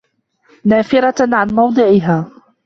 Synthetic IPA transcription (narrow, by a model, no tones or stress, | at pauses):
naːfɪɾɑʕanmɑwd̪ˤɨʕɪɦaː